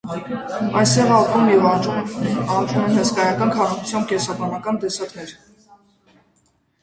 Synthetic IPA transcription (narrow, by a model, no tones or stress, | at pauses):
ɑjst̪ɛʁɑpumjɛv | ɑɾumɛnɦəskɑjɑkɑnkʰɑɾɑkʰut͡sʰjɑmkʲɛsɑbɑnɑkɑnt̪ɛsɑknɛɾ